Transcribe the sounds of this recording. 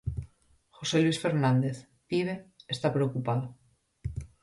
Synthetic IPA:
xoseluisfeɾnãnd̪eθ | t̪iβ̞eest̪apɾeokupaðo

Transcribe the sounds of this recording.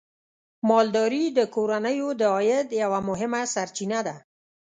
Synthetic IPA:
mɑld̪ɑɾid̪əkoɾanəjod̪əɔjɪd̪jawamʊɦɪmasaɾt͡ʃinad̪a

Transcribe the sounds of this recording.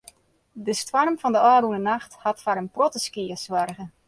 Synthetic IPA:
dəstwɔrmvɑndəɔːrunənaxthɑtfaɾənprotəskiəswarɣə

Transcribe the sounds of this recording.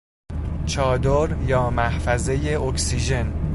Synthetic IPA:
t͡ʃʰɒːd̪oɾjɒːmæhfæze̞je̞ʔoksiːʒe̞n

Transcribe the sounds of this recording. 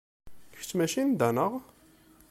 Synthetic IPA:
kəft͡sːmæʃind̪ænəʁ

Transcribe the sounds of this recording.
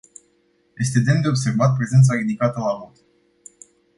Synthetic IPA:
jʔe̞st̪e̞d̪e̞nd̪e̞o̞bse̞rvat̪̚pɾe̞zent̪said̪ikat̪əlamot̪

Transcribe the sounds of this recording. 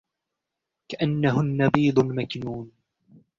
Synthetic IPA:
kaʔanːaɦʊnːabiːd̪ˤʊnmakɪnuːn

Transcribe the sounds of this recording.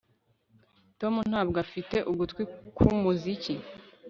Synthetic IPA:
to̞mun̥haːbɡafite̞ʔuɡutkwikʰumuzici

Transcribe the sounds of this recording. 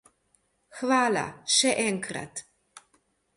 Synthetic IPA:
xvaːla̰ʃɛʔɛŋkɾa̰t̪

